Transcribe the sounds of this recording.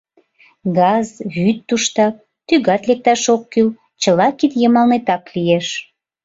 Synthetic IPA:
ɡɑzβyt̪ːuʃt̪ɑp̚ | t̪yɣɑt̪lek̚t̪ɑʃokːyl | t͡ɕəlɑkit̪jəmɑlnet̪ɑklijeʃ

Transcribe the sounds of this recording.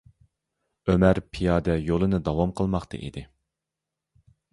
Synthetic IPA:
ømæɾpʰijɑːd̪ɛjolˠɨnɨd̪ɑwɑmqʰəlˠmɑqt̪ʰɨ̰ʔḭd̪ɪ

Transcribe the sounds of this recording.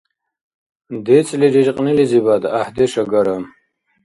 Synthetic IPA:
d̪et͡sliɾiɾqʼniliziβad̪ahd̪eʂɐɡɐɾam

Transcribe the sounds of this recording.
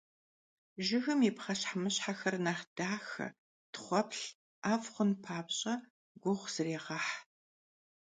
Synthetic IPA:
ʒɪxɨmipχɐɕħamɨɕħaxɐrnaːχd̥aːxɐ̰ | tχʷɔpɬ | aːfχʷʊnpʰaːpɕʼɐ | ɡʷʊʁʷz̥ɨreːʁɐħ

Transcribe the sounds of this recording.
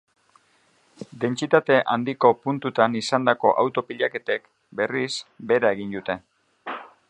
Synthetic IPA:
d̪e̞nt͡sit̪at̪e̞ʔand̪iko̞punt̪ut̪anisand̪ako̞ʔawt̪o̞piʎake̞t̪e̞k | be̞risbe̞ɾae̞ɣind̪ut̪e̞

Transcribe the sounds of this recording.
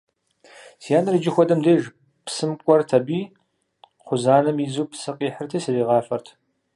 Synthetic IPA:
sjaːnɨrɨd͡ʒɪxʷɔdɐmdeːʒ | psɨmkʷʼɔrtʰɐbiː | χʷʊzaːnɐmizuːpsɨqʼiːħərtʰɐːsɨriːʁɑːfɐrtʰ

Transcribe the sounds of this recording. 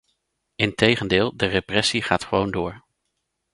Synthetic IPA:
ɪntejχəndɪːlˠdəreprɛsiχaːtχəʋowndʊːɹ

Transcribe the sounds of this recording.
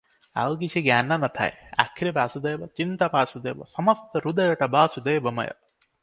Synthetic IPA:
a̰wɡisiɡanːɐnɐt̪ʰa̰ja̰kʰːiɾipaːsud̪ejbɐt͡ʃint̪ɐpaːsud̪ɐjbɐ̰sɐmɐst̪ɐɾud̪ɐjɐʈɐbaːsud̪ejbɐmɐ̰jɐ̰

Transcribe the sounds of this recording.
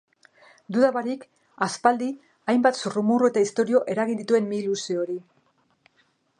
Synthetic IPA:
d̪uðaβaɾik | aspald̪i | ajmbat̪surumuroe̞t̪aist̪o̞ɾio̞ʔe̞ɾaɣind̪it̪ue̞mːilusioɾi

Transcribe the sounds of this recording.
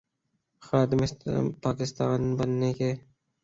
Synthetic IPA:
xɑːd̪ɪmɪspɑːkɪst̪ɑ̰ːnbɐnːeke

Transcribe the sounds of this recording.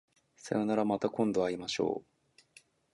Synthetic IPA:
sḛɾonaɾamat̪akõ̞nd̪o̞βaimaɕo̞̰ː

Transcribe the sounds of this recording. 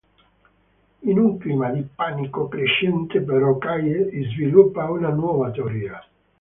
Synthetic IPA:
inuŋklimad̪ipanikokɾeʃɛnt̪epeɾɔkajesizvilupːaunanwɔːvat̪eoɾiːa

